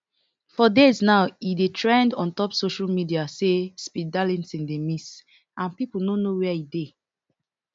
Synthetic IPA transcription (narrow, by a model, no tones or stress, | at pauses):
fɔdeznaʊidetʰɹɛ̃ndɔ̃ntɔpsoʃalmidiasespidalɛ̃nsĩndemis | ãnpipulnõnowɛide